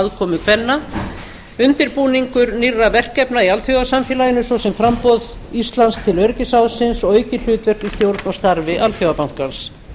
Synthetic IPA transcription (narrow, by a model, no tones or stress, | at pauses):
ðkʰɔːmʏkʰvɛnːa | ʏnt̪ɪɾpuːniŋkʏɾnirːavɛr̥kɛpnaialfjowasamfjɛlajɪnʏsɔsɛmfɾampɔð | ist̪lanst̪ʰɪlœɾcɪsawðsɪnsɔøːjcɪl̥ʏːt̪vœr̥kist̪jowɾt̪nɔst̪aɾvɪʔalfjowapawŋ̥kans